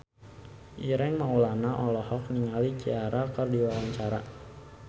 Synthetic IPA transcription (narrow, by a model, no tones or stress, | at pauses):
ʔiɾɛŋmaulanaʔɔlɔhɔk̚niŋalid͡ʒḭaɾakərdiwawaɲt͡ʃaɾa̰